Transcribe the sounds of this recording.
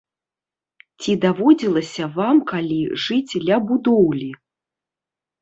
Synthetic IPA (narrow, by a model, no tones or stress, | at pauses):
t͡sʲid̪avɔd͡zʲilˠɐsʲɐvamkalʲiʐɨd͡zʲd̪lʲɐbud̪ɔwlʲi